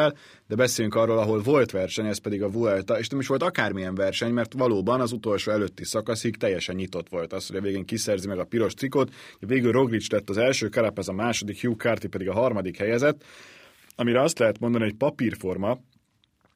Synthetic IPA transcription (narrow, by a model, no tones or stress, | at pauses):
ɛl | d̪ɛbɛseːjyŋkɒrːoːlɒɦo̞lvo̞lt̪ʋɛrʃɛɲɛspɛd̪iɡɒvuɛlt̪ɒeːʃnɛmiʃʋo̞lt̪ɒkaːrmijɛɱvɛrʃɛɲmɛrt̪ʋɒloːbɒnɒzut̪o̞lʃoːɛløːt̪ːisɒkɒshikt̪ɛjːɛʃɛɲːit̪o̞t̪ʋo̞lt̪ɒst̪ho̞ɟɒveːɡeːŋkisɛrzimɛɡɒpiɾo̞ʃt̪sikot̪ɛveːɡylro̞ɡrit͡ʃlɛt̪ːɒzɛlʃøːkɛɾɛpɛzɒmaːʃo̞d̪ikjuːkaːrt̪ipɛd̪iɡɒɦɒrmɒd̪ikhɛjɛzɛt̪ː | ɒmiɾɛɒst̪lɛɦɛt̪mo̞nd̪ɒniɦo̞cpɒpirfo̞rmɒ